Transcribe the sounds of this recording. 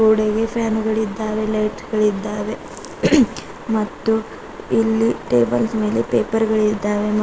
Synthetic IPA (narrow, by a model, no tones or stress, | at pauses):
uːɽeɡe̞pʰjaːnɡɐɭid̪ːaːʋe̞leːʈɡɐɭid̪ːaːʋe̞ | mɐt̪ːu | ilːiʈe̞ːbɐlsme̞ːlepe̞ːpɐɾɡɐɭid̪ːaːʋem